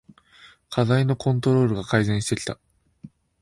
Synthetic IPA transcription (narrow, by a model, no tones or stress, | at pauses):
kʰazaino̞kʰõ̞nt̪o̞ɾo̞ːɾɯ̟ɡakaizẽ̞ɰ̃ɕi̥t̪e̞kʲi̥t̪a